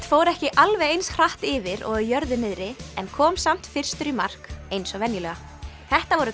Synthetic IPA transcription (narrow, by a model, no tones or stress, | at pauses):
t̪foːwɾɛhcɪʔalvɛjejnsr̥aht̪ɪvɪɾɔ̰ɣjœɾðɪnɪðɾɪɛnkʰɔːmsam̥t̪fɪr̥st̪ʏɾimar̥kejnsɔvɛnjʏlœɣa | θɛht̪avɔɾʏ